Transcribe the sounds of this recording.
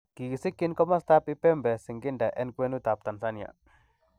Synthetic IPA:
ki˨si˦ki˦nkɔ˦ma˦st̪a˦pi˦pɛ˦mbɛ˨si˨ŋɡi˦nda˨ʔɛ˦nkwe˦nu˦t̪a˨p̚t̪a˨nsa˦nja̰˨

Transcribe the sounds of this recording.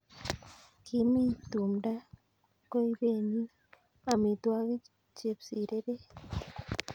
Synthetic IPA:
kɪ˦mi˦t̪o˨mda˦ | ko˦i˦be˦˨ɲi˦ | a˨mi˨t̪wa˦ɡi˦ | t͡ʃe˨psi˨ɾe˦de˦

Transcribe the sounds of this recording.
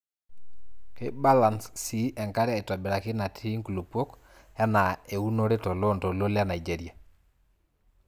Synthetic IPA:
ke˦ba˦la˨nssi˦ʔɛ˨ŋka˦ɾja˦i˨ta˨bɪ˨ɾa˨kɪ˦na˨tʰi˦ŋku˨lu˨pwo˦k | ja˦na˨e˨u˦no˦ɾe˦tɔ˨lɔ˦ntɔ˨lo˦lja˦na˨id͡ʒe˨ɾi˨a˨

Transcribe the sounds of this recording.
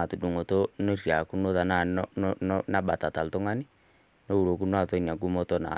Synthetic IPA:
a˨tu˨du˨ŋo˨to˦no˦rja˨ku˦no˦ta˨na˦˨nnnna˦ɓa˨ta˨ta˨ltʊ˦ŋa˦nɪ˦ | no˦u˨ɾo˨ku˦n˦a˦˨to˦na˨ɡu˦mo˦to˦na̰˨

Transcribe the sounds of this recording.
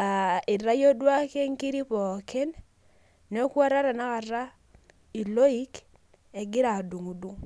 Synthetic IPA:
a˨ɪ˨ɾa˦jo˦dwa˦ke˦ŋki˦ɾi˦pɔ˨ke˦n | nɛ˦kwa˦ɾa˦ɾa˨na˦ka˨ɾa˦ | i˨lo˦i˦k | ɛ˨ɡɪ˦ɾa˨du˨ŋu˨du˦ŋ

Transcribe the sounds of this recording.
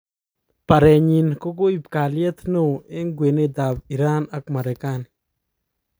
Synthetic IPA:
pa˨ɾɛ˨ɲi˨nko˦ko˦i˨pka˨ljɛ˦t̪no˦˨e˦ŋɡwe˨ne˦d̪a˨bi˨ɾa˦na˨kma˨ɾe˨ka˦n

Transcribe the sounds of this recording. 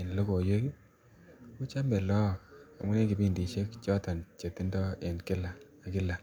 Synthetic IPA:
e˨nlo˦ko˨je˦ki˦ | ku˦t͡ʃa˦mbe˨lɔ˦˨a̰˨ŋʊ˦ne˦ki˨bi˦ndi˨ʃe˦kt͡ʃɔ˦ta˨nt͡ʃe˨ti˦ndɔ˦e˨nkɪ˦laː˨ | kɪ˦la˨

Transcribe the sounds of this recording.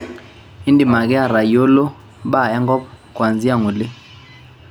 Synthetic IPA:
i˦ndi˨ma˨k̬ɛ˦a˦˨ɾa˨jo˦lɔ˦ | ɓa˦˨ɛ˦ŋɡɔ˦ | kwa˨nd͡zi˦a˦˨ŋu˨le˦

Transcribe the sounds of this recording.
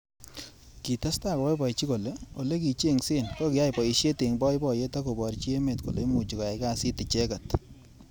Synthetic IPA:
ki˨ta˦sta˦˨kɔ˨wɛ˦pɔ˨t͡ʃi˦ko˨le˦o˨le˦ki˨t͡ʃe˦˨ŋse˦nkɔ˦kɪ˨ja˦jpɔ˨i˨ʃe˦te˨ŋbɔ˦jbɔ˨je˦ta˦ko˨bɔ˨ɾt͡ʃi˦e˦me˨tko̰˨le˦mu˨t͡ʃi˨ka˨ja˨ka˦si˦tɪ˨t͡ʃe˦ka˨t

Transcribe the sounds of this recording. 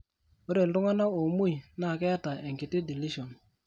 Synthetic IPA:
o˦ɾe˨ldʊ˦ŋa˦na˦o˨mu˦i˨na˦˨kɛ˦a˦ta˨ɛ˨ŋkɪ˨tɪ˦di˨li˦ʃɔ˨n

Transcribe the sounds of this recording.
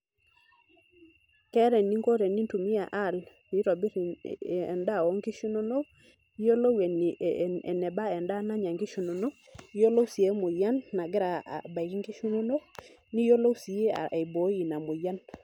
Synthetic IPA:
kɛ˦ɾɛ˨ni˦ŋɡo˦ɾɛ˨ni˦ntu˨mi˦a˨ʔa˦˨l | i˦ɾɔ˨bi˦ɾnda˦˨wɔ˦ŋɡi˦ʃu˦no˦no˦ | jo˦lo˦we˨n˨ɛ̰˨nɛ˨ba˦ɛ˨nda˦na˦ɲa˨ŋɡi˦ʃu˨no˨no˦ | jo˦lo˦si˨e˨˦mʊ˨ja˦nːa˨ɡɪ˦ɾa̰˨ba˨ki˦ŋɡi˦ʃu˦no˦no˦ | ni˦jo˦lo˦si˨e˦a̰˨e˨bo˨˦ji˨na˨mʊ˨ja˦n

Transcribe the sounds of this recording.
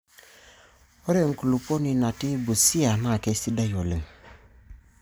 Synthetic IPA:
o˦ɾe˦˨ŋ˨ku˨lu˨po˦ni˨na˨ti˦bu˨si˦a˨na˦˨ke˦˨si˦da˦jo˨le˨ŋ

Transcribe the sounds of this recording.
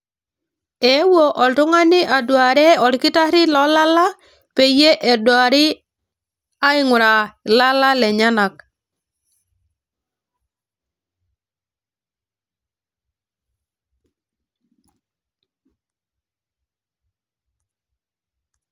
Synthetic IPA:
e˨˦wo˨ʔɔ˨ltʊ˦ŋa˦nɪ˦ʔa˨dwa˨ɾɛ˦ɔ˨lkɪ˦ta˦ɾɪ˦lɔ˦la˦la˦ | pe˨je˦ʔɛ˨dwa˨ɾɪ˦ | a˦ɪ˨ŋʊ˨ɾa˨la˦la˦lɛ˨ɲa˦na˨k̚

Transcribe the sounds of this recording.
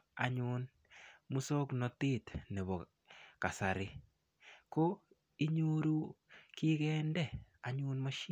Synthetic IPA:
a̰˨ɲʊ˦n | mu˦so˦knɔ˨tɪ˦t̪ne˨bɔ˨ | ka˨sa˨ɾɪ˦ | ko˦ | i˦ɲo˦ɾu˦kɪ˦kɛ˦ndɛ˦˨a˨ɲʊ˦nmo˦ʃ

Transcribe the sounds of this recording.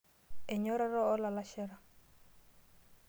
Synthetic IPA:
ɛ˨ɲɔ˦ɾɛ˦ɾɔː˦la˨la˦ʃɛ˦ɾa˨

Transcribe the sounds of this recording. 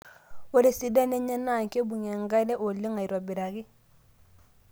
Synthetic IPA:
wo˦ɾe˨si˨da˦ne˦ɲe˦na˦˨ŋke˦bu˨ɲe˨ŋɡa˦le˦ʔo˨li˦ŋa˨i˨ɾwa˨bi˨ɾa˨ɡi˦

